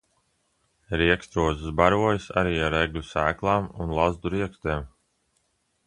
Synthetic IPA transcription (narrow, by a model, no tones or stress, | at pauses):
ɾiɛkst̪ɾuɔzɨsbaɾujasa̰ɾiːaɾeɡlʲusæːklˠaːmunlˠazd̪uɾiɛkst̪eːm